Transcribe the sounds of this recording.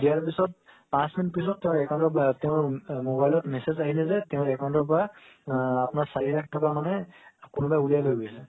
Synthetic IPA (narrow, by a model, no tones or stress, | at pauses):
zijaɹpisɔt̚ | pãsminitpisɔtːɛʊ̃ɹɛkaw̃ntɔtɛʊ̃ɹmobajlɔtmɛsezaɦilɛzɛtɛʊ̃ɛkaw̃ntɔɹpɔɹa | apʊnaɹsaɹilak̚ʰtʰɔkamanɛkʊnubajulijalojɡojsɛ